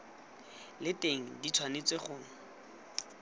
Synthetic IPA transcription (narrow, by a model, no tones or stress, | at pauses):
lɪteŋ̩dit͡sʰwanet͡sʼweχʊːŋ̩